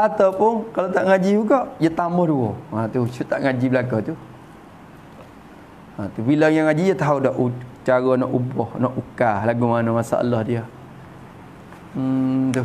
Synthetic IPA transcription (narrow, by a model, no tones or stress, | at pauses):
ʔat̪awpʊnkalat̪aʔŋad͡ʒijuɡɔʔdiat̪amɔhduwɔat̪usut̪aʔŋad͡ʒibəlakɔt̪u | at̪ubilajaŋad͡ʒidat̪aɦudɔʔut͡ʃaɣɔnɔʔubɔhnɔʔukalaɡumanɔmasa̰ə̰lɔhdiə | t̪u